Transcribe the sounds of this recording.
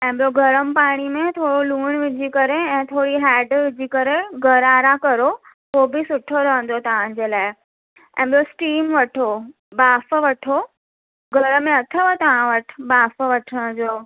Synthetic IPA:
ɛ̃ːɓijoɡʱɐɾəmpaːɽ̃imẽt̪ʰoːɽoluːɽ̃ʋɪd͡ʑʱikɐɾeɛ̃ːt̪ʰoːɽiɦɛːɖʋɪd͡ʑʱikɐɾeɡʱɐɾaːɾakɐɾo | ɦoːbisʊʈʰoɾɐɦə̃n̆d̪ot̪ɐʋ̤ãd͡ʑeːlaːɪ | ɛ̰̃ːɓɪjosʈiːmʋɐʈʰo | baːfʋɐʈʰo | ɡʱɐɾəmẽɐt̪ʰəʋət̪ɐʋ̤ãʋəʈʰɪ̥baːfəʋɐʈʰəɽ̃ə̃d͡ʑoː

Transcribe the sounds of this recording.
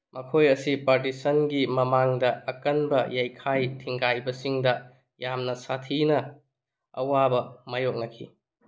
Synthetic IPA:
mɐkʰojɐsipaɾtisɐnɡimɐmaŋdɐɐkɐnbɐjajkʰajtʰiŋɡajbɐsiŋdɐ | jamnɐsatʰinɐ | ɐ̰wabɐmajok̚nɐkʰḭ

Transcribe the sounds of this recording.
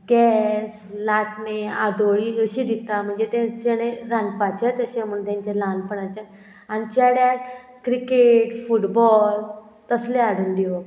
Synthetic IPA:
ɡɛs | laʈnead̪oɭiːəɕiːd̪it̪am̤əɳd͡zet̪ẽt͡ɕeɽ̃eɾãnɡpat͡ɕat̪əɕem̤uɳt̪ãɲt͡ɕelanpəɳat͡ɕa | añit͡ɕaɽjat̪̚ | kɾikeʈfuʈbɔl | t̪əsleaɽuːnd̪io

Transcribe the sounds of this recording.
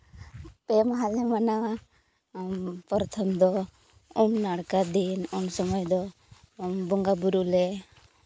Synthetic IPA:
pemɦalɛmana | mpɔɾt̪ʰɔmd̪ɔ | umnaɽkad̪inɔnsɔmɔjd̪ɔ | mbɔŋɡabuɾulɛ

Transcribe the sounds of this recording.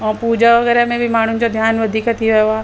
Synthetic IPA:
ɔːpuːd͡ʒaʋɐɣɛːɾamẽbʱimaːɳ̤unɪ̆d͡ʑad̪ʱjaːnʋɐd̪ʱikɐt̪iʋɐjoaː

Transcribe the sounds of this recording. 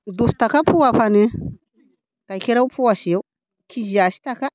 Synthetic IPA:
dustakapʰuwapani | kakeɾaupʰuwasijaw | kʰiʒasi̥taka

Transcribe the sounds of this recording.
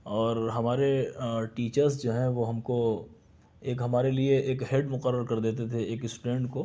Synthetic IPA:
ɔːɾɦɐmaːɾeʈiːt͡ʃəɾzd͡ʒoːɦɛ̃ʋoɦɐmko | eːkɦɐmaːɾelieʔeːkɦeɖmʊqəɾːəɾkɐɾd̪eːt̪̬et̪ʰeeːkɪsʈʊɖẽːɳʈko

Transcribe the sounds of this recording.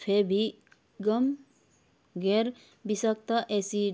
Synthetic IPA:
pʰebʱi | ɡʌm | ɡeɾ | bisʌk̚t̪ʌʔesi

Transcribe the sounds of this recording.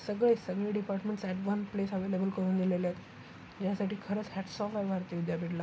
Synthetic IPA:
səɡɭesəɡɭeːɖipaɾʈmẽɳʈsɛʈʋənplesəʋelebəlkəɾuːnd̪ileljat̪ | d͡ʑjasaʈiːkʰəɾəːt͡shɛʈsɔfajʋʱaɾt̪iːud̪japiʈla

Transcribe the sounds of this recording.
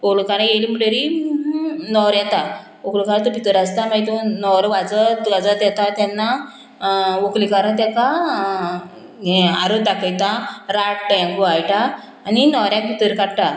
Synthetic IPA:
polukaɾãjelimuɽəɾi | nɔɾjat̪a | oklikaɾə̃t̪upit̪əɾast̪amajt̪onɔɾʋad͡zəʋad͡zat̪jɛt̪at̪janːa | ʋoklikaɾət̪̬jɛka | aɾəd̪akəjt̪aɾaʈ̚ʈəjãŋɡuajʈaː | ninɔɾjãk̚pit̪əɾkaɽʈa

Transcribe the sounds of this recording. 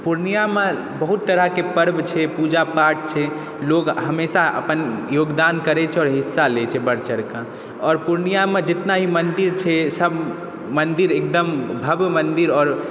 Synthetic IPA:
puɾnijame | bəɦut̪ːəɾəɦkepəɾbt͡ʃʰɛpud͡ʒapaʈ̚t͡ʃʰɛ | lokɦəmesaə̰pənjoɡd̪ankəɾɛt͡ʃʰɛɔːɾɦisːalet͡ʃʰɛbəɽ̤t͡ʃəɾka | ɔːɾpuɾnijamed͡ʒet̪naɦimənd̪iɾt͡ʃʰɛsəb | mənd̪iɾek̚d̪əmbʱəbmənd̪iɾɔːɾ

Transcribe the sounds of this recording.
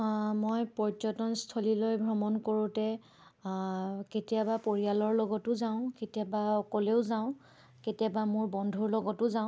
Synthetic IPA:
mojpɔɹɔtɔnstʰolilojbʱɹɔmɔnkoɹʊ̃tɛ | ketijabapoɹijalɔɹlɔɡɔtʊzãʊ̃ketijabaɔkɔleʊzaʊ̃ | ketijabamʊɹbɔndʱuɹlɔɡɔtʊzaʊ̃

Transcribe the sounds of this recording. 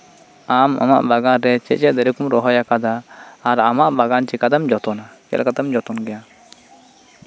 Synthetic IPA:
ama̰ma̰ʔbaɡanɾɛt͡ʃɛʔt͡ʃɛʔd̪ɛɾikumɾɔɦɔjakad̪aːɾamaʔbaɡant͡ʃɛkad̪amd͡ʒɔt̪ɔnakɛ̰lkat̪ɛmd͡ʒɔt̪ɔnɡɛja

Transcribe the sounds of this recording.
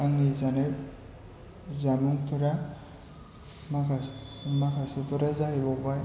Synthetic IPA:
aŋizanɛ | zamuŋt̪ʰʊɾa | makamakʰasɔt̪ɔɾazaɦibɔbaj

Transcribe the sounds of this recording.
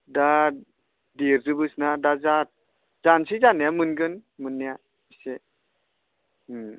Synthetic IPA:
da | diɾzɯbɯsnadaza | zansizanijamɯnɡɯnmɯnːijḁ | ise

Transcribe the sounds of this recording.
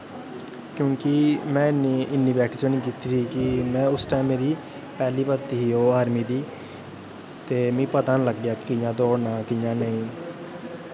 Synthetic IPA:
kjõːkɪmɛ̃ːɪniɪnːiːbɛːʈiːsəniːk̬ɪt̪ːɾiːkɪmɛ̃ːʊsʈaimmeːɾiː | pɛːliːpəɾt̪iːɦiːoːaːɾmiːd̪iː | t̪eːmĩːpət̪ãːnləɡjaːkkɪjãːd̪oːnãːk̪ɪjãːnəĩː

